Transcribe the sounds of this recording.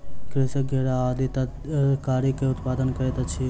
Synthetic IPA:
kɾesəɡʱeːɽaaːd̪it̪ɐ | kaːɾikeʊt̪paːd̪ənkɐɾet̪ɐt͡ʃʰi

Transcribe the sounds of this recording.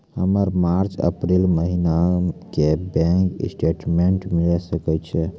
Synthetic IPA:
həməɾmaɾt͡ʃə̰pɾilməɦinakebɛ̃ŋksʈeʈmeɳʈmilɛsəkɛt͡ʃʰɛ

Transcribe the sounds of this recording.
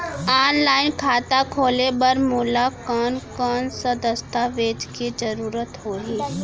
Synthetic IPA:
aːnlaːɪnkʰaːt̪akʰoːlebɐɾmuːlakɔːnkɔːnsəd̪əst̪aʋeːd͡ʒkid͡ʒɐɾuːɾət̪ɦoːɦiː

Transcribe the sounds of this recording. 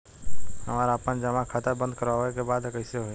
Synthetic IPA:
həmaːɾapənd͡ʒəmakʰat̪əɾbə̃nd̪̚kəɾaɦoekebaːd̪kəɪseɦoːe

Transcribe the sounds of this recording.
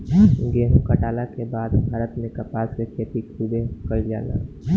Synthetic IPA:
ɡeːɦkəʈaːlakebaːd̪bʱaːɾət̪mẽkɐpaːskeket̪ikʰubekəid͡ʒa̰ːla̰ː

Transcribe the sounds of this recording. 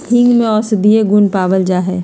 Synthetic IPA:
ɦɪ̃ŋɡmẽɔːsɪd̪ieɡʊnpaːʋəld͡ʒaːɦɛː

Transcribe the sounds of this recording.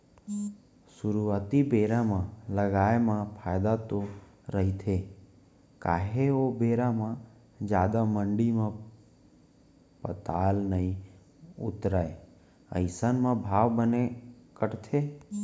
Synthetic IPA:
suɾuʋat̪ibeɾamãləɡajmãpʰajd̪at̪o | ɾəɦit̪ʰe | kaɦeobeɾamã | d͡ʒjad̪aməɳɖimã | pət̪alnəɦĩ | ʊ̰t̪ɾae | ə̰ɪsənmãbʱaʋbənekəɽt̪ʰe

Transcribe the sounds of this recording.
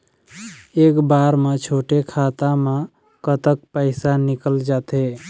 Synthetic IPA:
ekbaɾmet͡ʃʰoʈekʰat̪ame | kət̪əkpəɪsanikəld͡ʒat̪e

